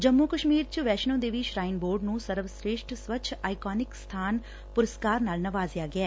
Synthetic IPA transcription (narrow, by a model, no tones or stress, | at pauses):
d͡ʒəmːukəʃmiːɾt͡ʃʋɛːʃnõːd̪eːʋiʃɾaːɪnboːɾɖnũːsəɾʋsɾeːʃʈsʋət͡ʃʰaːɪkaːnɪkst̪ʰaːn | pʊɾəskaːɾnaːlnəʋaːzɪjaːɡɪɛː